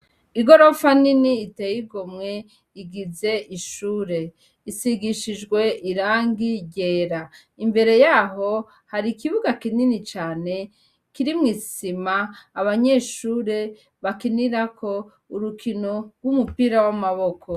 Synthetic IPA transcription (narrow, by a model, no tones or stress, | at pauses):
iɡo̞ɾo̞faniniːtejiɡo̞mŋe̞ | iɡize̞ʔiʃuːɾe̞ | isiɡiʃid͡ʒɡwe̞ʔiɾaːŋɡiɟe̞ːɾa | imbe̞ɾe̞jaːɦo̞ | haɾikiβuɡakininit͡ʃaːne̞ | kiɾimŋiːsimaːβaɲe̞ːʃuːɾe̞ | βakiniɾakʰo̞ | uɾukino̞ɾɡwumupiɾawamaβo̞kʰo